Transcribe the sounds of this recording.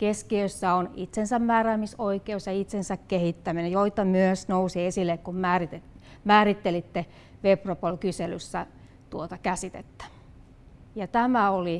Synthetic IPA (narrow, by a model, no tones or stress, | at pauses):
keskiøsːæonit̪sensæmmæːræːmisoikeusjɑit̪sensækkehit̪ːæminejoit̪ːɑmyøsnousiesilːekkummæːrit̪emæːrit̪ːelit̪ːe | ʋepropolkyselysːæ | t̪uot̪ɑkæsit̪ḛt̪ːæ̥ | jɑt̪æmæoli